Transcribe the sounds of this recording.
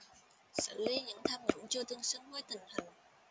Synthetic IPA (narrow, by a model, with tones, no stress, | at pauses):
sɨ˧˩li˨˧˦ɲɨ̰˧˥ŋt̪ʰaː˧mɲɨ̰˧˥ŋt͡ɕu˧t̪ɨ˧əŋsɨ˧˥ŋho˧˥˦jt̪ï˨˩ŋ̟hi˨˩ŋ̟